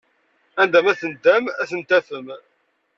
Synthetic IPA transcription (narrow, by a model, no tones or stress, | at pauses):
ænd̪æmæθənd̪æmæθənt̪æfəm